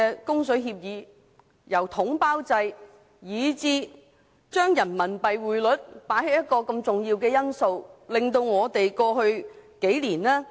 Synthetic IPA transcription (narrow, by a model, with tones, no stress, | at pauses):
ɛ˧kʊ˥ŋsɵ˨˥ɥɦiː˧p̚jiː˨˧ | jɐ˨˩wt̪ʰʊ˨˥ŋpaː˥wt͡sɐ˧j | jiː˨˧˥t͡siː˧ | t͡ʃœː˥ŋjɐ˨˩nmɐ˨˩npɐ˨jwuː˨˩jlɵ˨˥t̚paː˨˥jɦe˨˥jɐ˥t̚kːɔː˧kɐ˧mt͡sʊ˨ŋjiː˧wkɛː˧jɐ˥nso˧wlɪ˨ŋt̪o˧wŋɔː˨˧t̪e˨jkɔː˧hɵ˧ɥke˨˥jliː˨˩naː˥